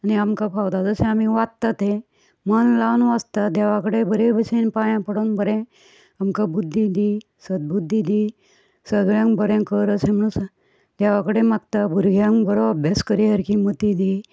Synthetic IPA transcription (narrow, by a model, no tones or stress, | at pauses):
aniamkapʰawt̪ad͡zəsẽamiʋatt̪at̪e | mənlawnʋast̪ad̪ɛʋãkəɽebəɾebəsenpajãpəɽonbəɾɛ̃ | amkabud̪ʱːid̪i | səd̪̚bud̪ʱːid̪i | səɡɭjãŋbəɾɛ̃kəɾəsẽm̤ənũs | d̪ɛʋakəɽemakt̪abʱuɾɡʱjãŋbəɾoəbʱjaskəɾiɦəɾkimət̪id̪i